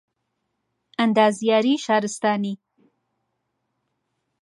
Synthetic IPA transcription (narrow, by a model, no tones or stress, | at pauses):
and̪ɑzjɑɾiʃɑɾɪst̪ɑːni